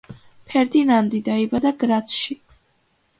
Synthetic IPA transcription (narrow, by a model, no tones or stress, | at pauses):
pʰɛɾd̪inand̪id̪aibad̪aɡɾat̪sʃi